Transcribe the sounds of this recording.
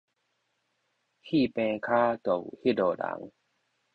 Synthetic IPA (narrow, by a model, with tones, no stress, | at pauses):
hʰiː˥˨pɛ̃ː˧kʰaː˦˥˦t̪o˨˩whi˦˥˨doː˨˩la̰˨˦ŋ